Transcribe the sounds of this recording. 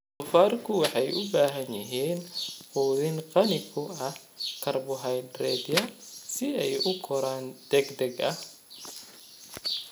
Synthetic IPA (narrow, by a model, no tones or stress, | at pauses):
qʊfaːrkʰʊwɑħɑjʔʊbaːɦɐnjɪɦiːnquːðɪnqɑnɪkʰʊɐh | kʰɐrbʊɦɐjd̪rɛːd̪ijɐsɪɛjʔʊkʰɔɾaːnd̪̥ɛɡd̪ɛɡɐh